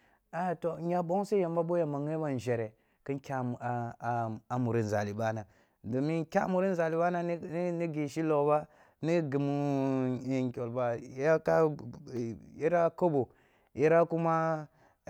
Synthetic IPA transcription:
a˨to˨ɲa˨bo˦ŋse˦ja˨m˦ba˦bo˦ja˦˨ma˨ŋe˦ba˦n˨ʒe˨ɾe˨ | ki˦nkʲa˦˨ | a˨mu˨ɾi˦n˨za˨li˨ba˦na˨ | do˨mi˦kʲa˦mu˨ɾi˦n˦za˨li˨ɓa˦na˦ni˦ɡi˨ʃi˦lo˨ba˦ | ni˦ɡi˨mu˦˨ | ŋkʲo˨lba˨˦a˦ka˦˨ | ji˦ɾa˦ko˦bo˨ | ji˦ɾa˦ku˦ma˦

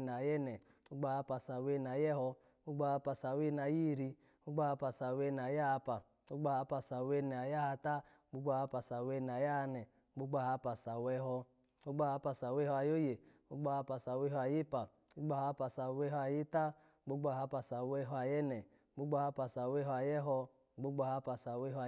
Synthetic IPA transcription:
n˨a˨jɛ˦nɛ˨ | o˦ɡ͡ba˧˦ha˧˦pa˧sa˨we˧˦˨n˨a˨jɛ˦ɦɔ˧ | ɡ͡bo˦ɡ͡ba˧˦˨ha˧˦pa˧˨sa˨we˦n˨a˨ji˦˨ɾi˧ | o˦ɡ͡ba˧˦ha˧˦pa˧˨sa˨we˧n˨a˨ja˦a˧pa˨ | o˦ɡ͡ba˧ha˧˦pa˧sa˨we˧nɛ˨a˨ja˦ha˧ta˦ | ɡ͡bo˧˦ɡ͡ba˧˦ha˧˦pa˨sa˨we˧n˨a˨ja˦˧nɛ˨˦ɡ͡bo˦ɡ͡ba˧˦ha˨˧˦pa˨sa˨wɛ˧˦ɦɔ˧ | o˦ɡ͡ba˧˦ha˧˦pa˧˨sa˨we˦hɔ˧a˨jo˦je˨ | o˦ɡ͡bo˧ha˧˦pa˨sa˨we˧˦ɦɔ˧a˨ji˦pa˨ | u˦ɡ͡ba˧˦ha˨˦pa˨sa˨we˧˦ɦɔ˧a˨ji˦ta˦ | o˦ɡ͡ba˧˨ha˧˦pa˨sa˨we˧ɦɔ˧a˨jɛ˦nɛ˨˦ | ɡ͡bo˦ɡ͡bɔ˧ha˧˦pa˨sa˨we˦ɦɔ˧a˨jɛ˦ɦɔ˧˦ | ɡ͡bo˦ɡ͡bo˧ha˧˦pa˨sa˨we˦ɦɔ˧˨

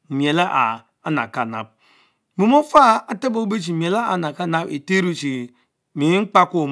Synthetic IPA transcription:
m˨e˨la˦ʔa˨ | a˦na̰˨ka˦˨na̰˨b̚ | mi˨mo˦fa˦a˦ta˦bo˦be˦t͡ʃ̬i˨m˨e˨la˦a˨na˨ka˦na˦be˨te˦ɾu˦t͡ʃi˨ | mi˨˦ŋ͡m̩˦k͡pa˦ku˦˨m

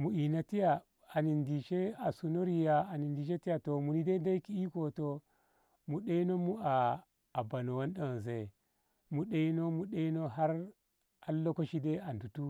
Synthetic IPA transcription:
mu˨i˨na˨ti˦ja˨ | a˨ni˨ndi˨ʃe˦a˨su˨no˦ɾi˨ja˦a˨ni˨ndi˨ʃe˦ti˦ja˨to˨mu˨ni˦de˦da˦ki˦i˦ko˨to˨ | mu˨ɗe˦i˦no˦mu˦aː˨ | ba˨no˨wa˦nɗa˦wze˨ | mu˨ɗe˦i˦no˦mu˨ɗe˦i˦no˦ɦa˦ɾ | a˦lːo˦ko˦ʃi˦de˦a˨ndu˨tu˦

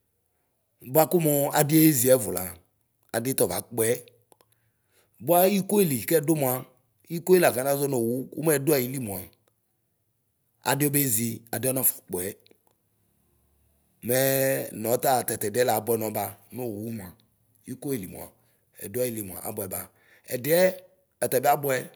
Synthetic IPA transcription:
bʊ˦a˦ku˦mo˨a̰˨dɪ˦e˦e˦zi˨˦ɛ˨˦vʊ˨la̰˨ | a˨de˦t̪ɔ˨va̰˨k͡pɛ˨˦˨ | bo˦a˦ji˦ko˦e˦li˨kɛ˦dʊ˦mu˨a˨ | i˦ko˦e˦la˨ɡa˨n˦ã˦zɔ˦no˨wu˦ṵ˦m˦ɛ˦dʊ˦a˨ji˨li˦mũ˨a˨ | a̰˨de˦o˦be˦zi˨a˨de˦ɔ˦nɔ̃˦˨fu̥˨k͡pɛ˨ | mɛ˦nɔ̃˨˦t̪a˦˨t̪ɛ˨t̪ɛ˨dɛ˦la˨˦bʊ˦ɛ˦nɔ̃˨˦ba˦no˦˨wu˨˦wmã˨ | ji˦ko˦e˨li˨mṵ̃˨a̰˨ | ɛ̰˨dʊ˦a˦˨ji˨li˨mũ˨a̰˨ʔa̰˨˦bɔ˦ɛ˨ba˨ | ɛ̰˨de˦ɛ˦ | ɛ˨t̪ɛ˨be˦a˦bɔ˦ɛ˦

